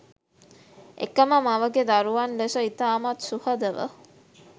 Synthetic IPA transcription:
ḛkəməmaʋəɡed̪aɾuʋanlesəit̪aːmat̪suhəd̪əʋə̰

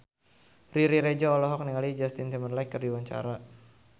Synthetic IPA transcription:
riɾiɾɛd͡ʒaɔlɔɦɔk̚niŋalid͡ʒast̪int̪imərlajkːərdiwaɲt͡ʃa̰ɾa

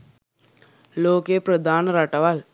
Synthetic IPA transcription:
loːkepɾəd̪ʱaːnɾaʈaʋal

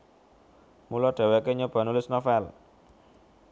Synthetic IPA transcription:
mulɔɖ̥a̤wekeɲob̥a̤nulɪsnɔfɛl

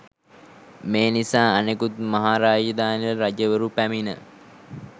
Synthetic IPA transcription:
meːnisaːanekut̪̚maɦaːɾaːd͡ʒəd̪aːniləɾad͡ʒəʋəɾupæminə̰

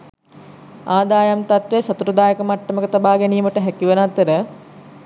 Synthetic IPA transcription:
aːd̪aːjamt̪at̪ʋesɐt̪uɾɐd̪aːjəkəmaʈːɐməkət̪abaːɡɛnijməʈəɦɛkiʋənat̪əɾə

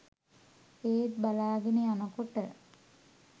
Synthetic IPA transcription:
eːt̪̚balaːɡenejanɐkoʈə

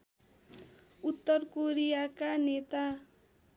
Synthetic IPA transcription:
ut̪ːʌrkoɾijakanet̪a

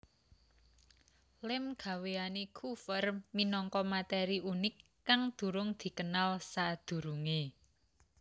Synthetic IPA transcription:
lɪmɡ̥a̤weanekʰufərminɔŋkɔmat̪ɛɾiʔunɪkːaŋd̪̥ṳɾʊŋd̪̥i̤kənalsad̪̥ṳɾuŋe

